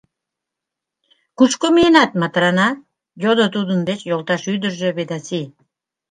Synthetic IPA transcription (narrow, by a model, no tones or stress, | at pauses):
kut͡ʃkominɑt̪mat̪ɾanɑ | jod̪ot̪ud̪ənd̪et͡ɕjolˠt̪ɑʃyd̪əɾʒøβed̪asi